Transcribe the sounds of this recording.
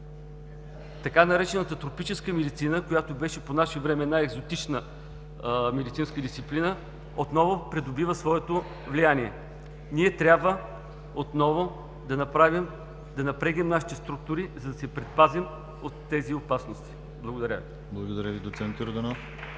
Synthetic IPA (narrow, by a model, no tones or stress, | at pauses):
t̪ɐkanɐɾɛt͡ʃɛnət̪ət̪ɾopit͡ʃɛskəmɛd̪it̪sinəkojat̪obɛʃɛponaʃɛvɾɛmɛnaɛɡzot̪it͡ʃnə | mɛd̪it̪sinskəd̪ist̪siplinə | ot̪nɔvʊpɾɛd̪ʊbivəsvɔɛt̪o | vlijaniɛ | niɛt̪ɾʲabvə | ot̪nɔvʊ | d̪ɐnɐpɾavim | d̪ɐnɐpɾɛɡnʲɛmnaʃi̥t̪ɛst̪ɾuk̚t̪ʊɾizɐd̪ɐsɛpɾɛt̪̚pazim | ot̪ːɛziopasnost̪i̥ | blˠɐɡod̪ɐɾʲə̰vi | blˠɐɡod̪ɐɾʲjəvid̪otsɛnt̪joɾd̪ɐnof